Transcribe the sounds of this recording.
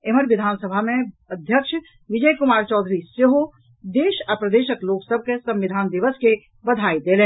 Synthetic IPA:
eməɾʋɪd̪ʱaːnsəbʱamẽɐd̪ʱjəkʃ | ʋɪd͡ʒəjkʊmaːɾt͡ʃɔːd̪ʱɾisjəɦo | d̪eːʃɐpɾəd̪eːʃəkloːksəb̚ʱkesɐ̃mʋɪd̪ʱaːnd̪ɪʋəske | bɐd̪ʱaːid̪eːlẽː

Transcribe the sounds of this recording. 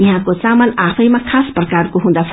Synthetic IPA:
jʌɦãkot͡samənapʰəjmãkʰasprʌkarkoɦũd̪apʰ

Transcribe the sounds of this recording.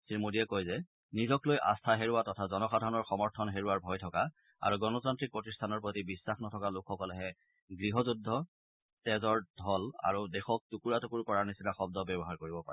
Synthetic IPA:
siɹmudijɛkojzɛ | nizɔklojʔa̰stʰaɦeɹuatɔtʰazɔnɔxadʱaɹnɔɹxɔmɔɹtʰɔnɦeɹuaɹbʱɔjtʰɔka | a̰ɹuɡɔnɔzantɹik̚pɹɔtistʰanɔɹpɹotibisːaxnɔtʰɔkalʊkʰxɔkɔlɛɦɛ | ɡɹiɦɔzudʱːɔ | tɛzɔɹdʱɔla̰ɹudɛxɔk̚tukuɹatukuɹkɔɹaɹnisinaxɔb̚dɔbɔbɔɦaɹkoɹibɔpa̰ɹɛ

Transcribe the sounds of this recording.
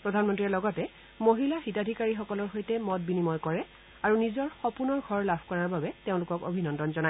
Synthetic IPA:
pɹɔdʱanmɔntɹiɛlɔɡɔtɛ | moɦilaxitadʱikaɹixɔkɔlɔɹxojtɛmɔt̚binimɔjkɔɹɛ | aɹunizɔɹxɔpunɔɹɡʱɔɹlabʱkɔɹaɹbabɛteʊ̃lʊkɔko̰bʱinɔndɔnzɔna

